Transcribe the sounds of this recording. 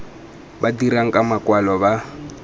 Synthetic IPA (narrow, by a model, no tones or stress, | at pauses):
badiɾaŋ̩kʼamakwalɔba